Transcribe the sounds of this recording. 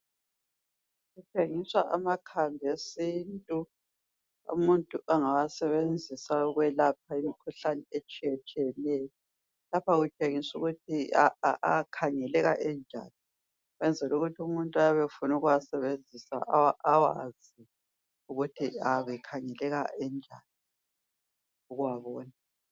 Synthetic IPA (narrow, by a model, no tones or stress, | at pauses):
ɣut͡ʃʼeŋiswaʔamakʰaŋʱesiːntʼu | ṵmuntʼuʔaŋawasɛβend͡zʱisaɔɣwɛlap̚ʰaimikʰuɬanɛɛt͡ʃʼɛt͡ʃʼɛnɛːjɔ | lapʰaɣut͡ʃʼeŋisuɣutʰiaakʰaŋɛlɛɣa̰ʔɛnd͡ʒʱa̰ːni | ɣwɛnd͡zʱɛluɣutʰiumuntʼajaβɛfunuɣuwasɛβend͡zʱisa̰ʔawa̰z | i | uɣutʰiaβɛkʰaŋɛlɛɣaɛnd͡ʒʱaːni | uɣuwaβɔːna